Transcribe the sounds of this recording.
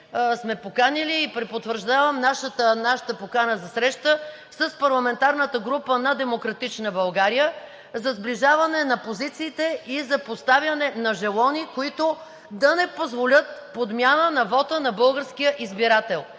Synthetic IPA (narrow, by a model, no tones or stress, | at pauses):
smɛpokaniliːpɾɛpot̪vəɾʒd̪avɐmnaʃət̪ənaʃə̥t̪əpokanəzɐsɾɛʃt̪ə | səspɐɾlˠɐmɛnt̪aɾnət̪əɡɾupənɐd̪ɛmokɾɐt̪it͡ʃnəbɐlˠɡaɾijə | zɐzbliʒavɐnɛnɐpozit̪siːt̪ɛizɐpost̪avʲjɐnɛnɐʒɛlˠɔnikoit̪o | d̪ɐnɛpozvolʲət̪̚pod̪mʲjanənɐvɔt̪ənɐbɤlˠɡəɾskijəʔizbiɾat̪ɛlˠ